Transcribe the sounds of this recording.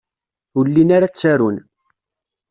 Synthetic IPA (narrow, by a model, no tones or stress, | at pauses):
ulːinaɾat͡sːaɾun